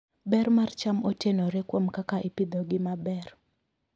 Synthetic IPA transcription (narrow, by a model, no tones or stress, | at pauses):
bɛɾmart͡ʃamotenoɾekwomkakaʔipɪd̪oɡɪmabɛr